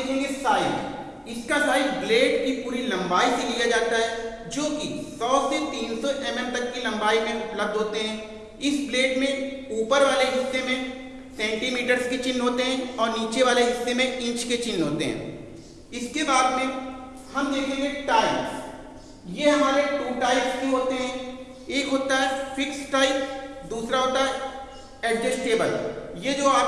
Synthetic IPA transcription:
kʰẽŋɡesaːɪk | ɪskasaːɪkbleːɖkipuːɾilɐ̃mbaːiselijad͡ʒaːt̪aɦɛ | d͡ʒoːkisɔːset̪iːnsɔʔɛːmə̃mt̪ɐkːilɐ̃mbaːimẽʊpləb̚d̪ʱɦoːt̪eɦɛ̃ː | ɪsbleːʈmẽuːpəɾʋaːleɦɪsːemẽ | sɛ̃ːɳʈimiːʈəɾzket͡ʃɪ̃nɦoːt̪eɦɛ̃ɔːɾniːt͡ʃeʋaːleɦɪsːemẽɪ̃t͡ʃket͡ʃɪnːɦoːt̪eɦɛ̰̃ː | ɪskebaːd̪mẽ | hɐmd̪eːkʰẽŋɡeʈaːɪps | jeɦɐmaːɾeʈuːʈaːɪpskiɦoːt̪eɦɛ̃ː | eːkɦoːt̪aɦɛfɪksʈaːɪpd̪uːsɾaɦoːt̪aɦɛ | ɛɖɖesʈeːbəljed͡ʒoːaːp

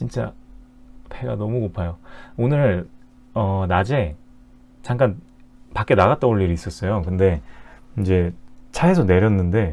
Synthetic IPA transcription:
t͡ɕint͡ɕ͈a̰ | pʰe̞ɡa̰nʌmukopʰajoonɯɾɭ | ʌnad͡ʑe̞ | t͡ɕaŋk͈an | pak͈e̞naɣat͈̚ʌoɭːiɾiːs͈ʌs͈ʌjokɯnde̞ind͡ʑe̞t͡ɕʰaes̬ʰʌne̞ɾjʌnːɯnde̞

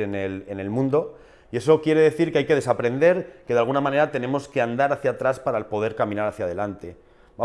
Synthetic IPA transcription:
enelene̞lmũnd̪o̞ | ie̞so̞kje̞ɾe̞ðe̞θiɾkeajke̞ð̞e̞sapɾe̞nd̪e̞ɾke̞ðalɣ̞unamãne̞ɾat̪e̞ne̞mo̞ske̞and̪aɾaθjat̪ɾaspaɾapo̞ðe̞ɾkamĩnaɾaθjað̞e̞lant̪e̞ | ba

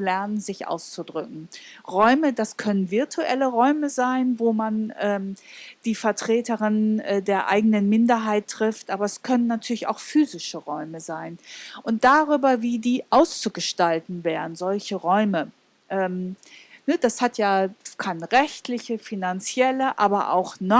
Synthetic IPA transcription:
lɛɐnənzɪçʔa̰ʊst͡sudʁʏk̚ŋ̩ʁɔʏmədaskʰœnənvɪɐtʰuʔɛ̰ləʁɔʏməzaɪnvoːmanʔɛːmd̥iːfɛɐtʁ̥eːtəʁɪnʔɛːdeːɐʔa̰ɪɡənənmɪndɐɦaɪtʁ̥ɪftʔaːbɐɛskʰœnənːatʰyːɐlɪça̰ʊxfyːzɪʃəʁɔʏməzaɪnʔʊnt̚d̥aːʁyːbɐviːdiːʔaʊst͡suɡəʃtaltn̩veːʁən̩zɔlçəʁɔʏmə | ʔɛːmnəd̥ashatjaːkʰanʁɛçtlɪçəfinant͡sjɛləʔaːbɐʔa̰ʊxnɔ

